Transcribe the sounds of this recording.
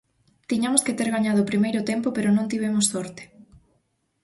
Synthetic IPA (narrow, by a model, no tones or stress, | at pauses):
t̪iɲamʊsket̪eɾɣaɲaðʊːpɾimejɾʊt̪empopeɾʊnõŋt̪iβ̞emʊsːɔɾt̪e̥